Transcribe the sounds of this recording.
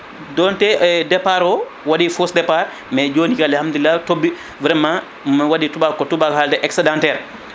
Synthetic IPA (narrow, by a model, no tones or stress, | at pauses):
dɔntɛdɛpaɾɔ | wadifusdɛpaɾ | mɛd͡ʒoːnikalhamd̪ulilːatobːi | vɾɛma | mmwaditubakːɔtubakhaldɛʔɛksɛdãntɛɾ